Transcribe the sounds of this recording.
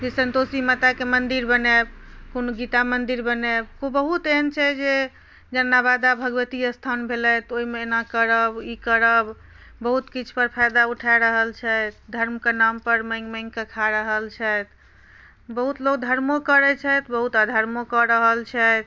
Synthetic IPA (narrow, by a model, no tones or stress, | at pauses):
d͡ʒesənt̪osimət̪akemənd̪iɾbənɛbkonuɡit̪amənd̪iɾbənebkobəɦut̪ent͡ʃʰɛd͡ʒe | d͡ʒənːabad̪abʱəɡʋət̪ijəst̪ʰanbʱelɛt̪oimeenakəɾəbikəɾəb | bəɦut̪kit͡ʃʰpəɾpʰajd̪auʈʰaɾəɦəlt͡ʃʰɛt̪d̪ʱəɾmkenampəɾmə̃ŋɡmə̃ŋɡkəkʰaɾəɦəlt͡ʃʰɛt̪ | bəɦut̪lokd̪ʱəɾmokəɾɛt͡ʃʰɛt̪bəɦut̪ad̪ʱəɾmokɔɾəɦəlt͡ʃʰɛt̪